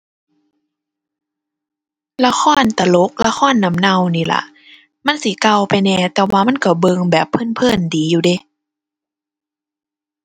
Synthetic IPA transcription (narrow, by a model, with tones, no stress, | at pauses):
la˧xʰɔː˧˥˨nt̪a˧˩lo˨˦˥k̚la˧xʰɔː˧˥˨nːa˧˦mna˧˩˨wniː˧˩la̰˧˦ | ma˧˥˨nsi˧˦ka˧wpa˨jnɛː˧˩t̪ɛː˨˩waː˧ma˧˥˨nka˧˩bɤː˧ŋbɛː˨˩pʰːɤ˧˥˨npʰɤː˧˥˨ndiː˨˦juː˧de˧˦